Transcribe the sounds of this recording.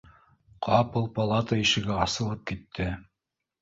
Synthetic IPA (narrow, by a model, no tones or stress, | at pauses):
qʰɑpɤlˠpɐlˠɑt̪əiʃɘ̆ɡɘɑsɤ̆lˠɤp̚kit̪ʰːɘ